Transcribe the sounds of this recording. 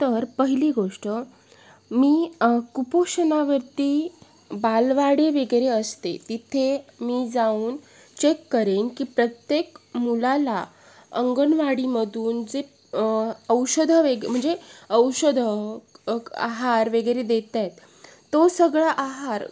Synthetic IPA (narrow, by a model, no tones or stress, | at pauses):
t̪əɾpəɦiliɡoʂʈə | miːkupoɕənaʋəɾt̪iː | balʋaɽeʋeɡjɾeəst̪ḛt̪it̪ʰemiːd͡zauːn | t͡ɕekːəɾenkiːpɾət̪jekmulala | əŋɡənʋaɽiməd̪ʱuːnd͡ze | əwɕəd̪ʱəʋeɡm̤əɳd͡zeəwɕəd̪ʱə | a̰ɦaɾʋeɡəjɾed̪et̪at̪ː | osəɡɭaʔaɦaɾ